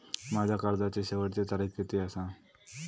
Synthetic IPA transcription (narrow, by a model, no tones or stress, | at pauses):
mad͡ʑʱakaɾd͡zat͡ɕeɕeʋəʈt͡set̪aɾiːfet̪eəsa